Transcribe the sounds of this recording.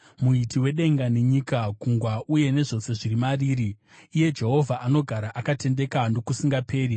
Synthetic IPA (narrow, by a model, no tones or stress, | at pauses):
muitiwe̞ɗe̞ŋɡaneɲikakuŋɡwaʔuje̞ne̞ʐo̞se̞ʐirimariːɾiː | je̞d͡ʒe̞ɦo̞vʱaʔano̞ɡʱaɾaʔakate̞nde̞kando̞kusiŋɡape̞ːri